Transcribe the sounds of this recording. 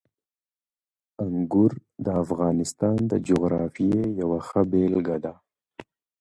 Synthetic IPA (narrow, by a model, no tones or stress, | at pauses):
aŋɡʊɾd̪əafɣɑːnɪst̪ɑnd̪ə̰d͡ʒoɣɾɑfijejawaxəbelɡad̪a